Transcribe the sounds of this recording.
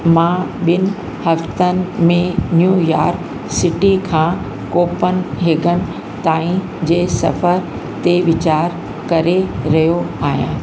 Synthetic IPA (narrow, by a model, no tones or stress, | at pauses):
mãːɓɪnɪ̆ | hɐft̪ənɪ̆mẽnjujaːɾk | sɪʈikʰãː | koːpənɪ̆ɦɪɡʱənɪ̆ | t̪aːĩ | d͡ʑeːsɐ̰fəɾ | t̪eʋɪt͡ɕaːɾ | kɐɾeɾɐɦijoaːɦijã̰ː